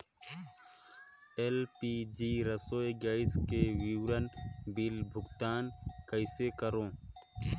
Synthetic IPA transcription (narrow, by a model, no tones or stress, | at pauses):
elpid͡ʒiːɾəsoːeɡaːɪskewiwɾənbilbʱʊɡt̪aːnkəɪsekəɾõː